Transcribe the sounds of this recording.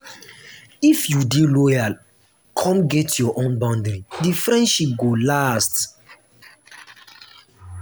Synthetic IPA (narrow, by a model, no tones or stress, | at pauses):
ifjudilɔjal | kʰɔ̃mɡɛtjɔʔõnbãndɾĩdifɹɛ̃ndʃip̚ɡolast